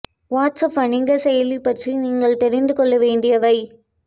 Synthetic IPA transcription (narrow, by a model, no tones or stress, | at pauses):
ʋaːʈsɐpɐɳɪŋɡɐsɛjɐlipːɐʈriniːŋɡɐɭt̪ɛɾɪnd̪ɯkɔɭːɐʋeːɳɖɪjɐʋɐɪ